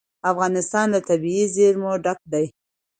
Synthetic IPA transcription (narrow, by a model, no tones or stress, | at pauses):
afɣɑnɪst̪ɑnd̪ət̪abiizeɾmoɖak̚d̪aj